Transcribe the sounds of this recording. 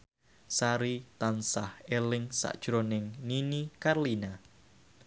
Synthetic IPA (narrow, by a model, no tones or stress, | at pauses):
saɾit̪ansahelɪŋsa̰ʔd̥ʒ̥ɾonɪŋninikarlina